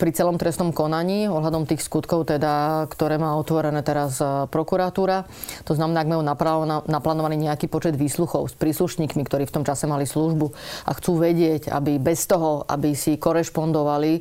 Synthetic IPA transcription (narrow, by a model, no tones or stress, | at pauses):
pɾit͡sɛlɔmt̪ɾɛstnɔmkɔnaɲiːɔɦlad̪ɔmt̪iːxskut̪kɔʊt̪ɛd̪akt̪ɔɾɛːmaːɔt̪ʋɔɾɛnɛːt̪ɛɾaspɾɔkuɾat̪uːɾa | t̪ɔznamɛnaːaɡmajunaanaplaːnɔʋaniːɲɛakiːpɔt͡ʃɛd̪ʋiːsluxɔʊspɾiːsluʃɲiːkmikt̪ɔɾiːft̪ɔmt͡ʃasɛmalisluʒbuʔa̰xt͡suːʋɛɟɪɛɟa̰bibɛst̪ɔɦɔa̰bisikɔɾɛʃpɔnd̪ɔʋali